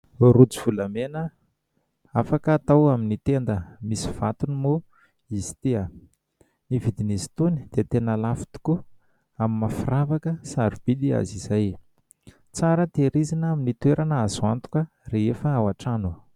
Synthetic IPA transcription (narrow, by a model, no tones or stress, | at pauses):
rut͡siv̥ulamenə | afakəːt̪awaminit̪end̪əmisi̥v̥at̪unimo | iz̥i̥t̪ia | nivid̪inizi̥t̪uni̥d̪̥et̪enəlafi̥t̪u̥ku | aminmafiravakəsaɾib̥id̪ia̰ziz̥aj | t͡saɾət̪eɾizinaminit̪weɾʔanəazuant̪u̥kə | reefəawaʈ͡ʂanu